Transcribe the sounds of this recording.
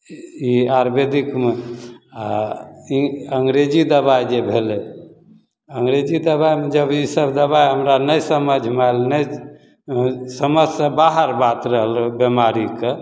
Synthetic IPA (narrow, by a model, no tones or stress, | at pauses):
iaɾbed̪ikmeaiəŋɡɾed͡ʒid̪əbajd͡ʒebʱelɛ | əŋɡɾed͡ʒid̪əβajmed͡ʒəbisəbd̪əbajɦəmɾanəjsəməd͡ʒʱmalnəj | səməsbaɦəɾbat̪ɾəɦəlbemaɾike